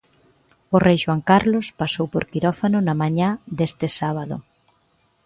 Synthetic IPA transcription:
ʊrejʃwaŋkaɾlospasowpo̰ɾkiɾɔfanʊnamãɲad̪est̪ɪsaβ̞aðʊ̰

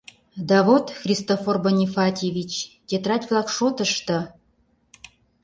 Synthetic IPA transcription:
d̪ɑvot̪xrʲist̪oforbonʲifɑt̪ʲevʲit͡ɕt̪ʲet̪rɑt̪ʲvlˠɑkʃot̪ə̆ʃt̪ə̆

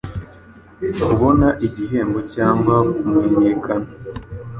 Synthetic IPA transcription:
kuβo̞naʔiɟiɦe̞ːmbo̞caːŋɡwakumeɲeːkʰana

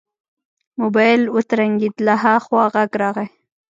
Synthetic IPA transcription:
mʊbɑjɪlwət̪ɾaŋɡid̪laɦaxwɑɣaɡɾɑɣe

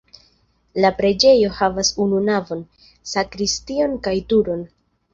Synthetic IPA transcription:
lapɾe̞d͡ʒe̞jo̞havasununavo̞n | sakɾistio̞nkajtuɾo̞n

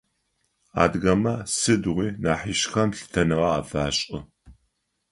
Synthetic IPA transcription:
a̰ːdɣɐmɐsɨdʁʷiːnaːħiʃxɐmɬɨ̥tʰɐnɨʁɐa̰ːfaːɕʼɪ

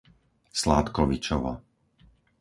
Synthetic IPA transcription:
slaːt̪kɔʋit͡ʃɔʋa̰ː

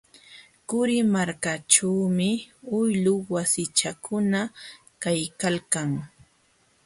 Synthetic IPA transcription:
kʊɾɪmaɾkat͡ʃawmɪʊjlʊwasɪt͡ʃakʰʊna | kajkalkaŋ

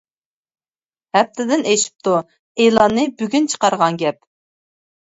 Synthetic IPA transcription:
hɛp̚t̪ʰɪd̪ɪneʃi̥p̚t̪ʰu | elˠɑnːɨbyɡʲynt͡ʃʰə̥qɑɾʁɑŋɡʲɛp̚

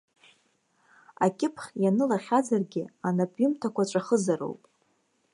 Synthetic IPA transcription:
a̰kʲʼɪpʰχʲjanɨlaχʲazarɡʲɪanapʼɥʊmtʰakʷaʈ͡ʂʷʼaχəzaɾo̰wpʼ

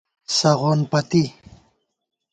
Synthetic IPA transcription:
saʁonpat̪i

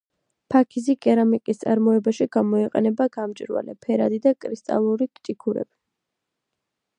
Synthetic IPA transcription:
pʰakʰizikʼɛɾamikʼist̪sʼaɾmɔɛbaʃiɡamɔiqʼɛnɛbaɡamt͡ʃʼɾwa̰lɛ̰pʰɛɾa̰d̪id̪akʼɾist̪ʼa̰lˠuɾikʰʼt̪ʼikʰuɾɛ̰bi

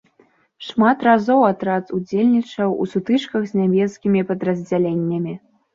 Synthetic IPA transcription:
ʂmat̪razɔwat̪ɾazud͡zʲelʲnʲit͡ʂɐwṵsut̪ɨt͡ʂkɐɣzʲnʲamʲɛskʲimʲipɐd̪ɾɐzʲd͡zʲalʲenʲːɐmʲi

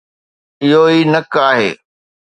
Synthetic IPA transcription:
ɪɦoinɐkaːɦḛː

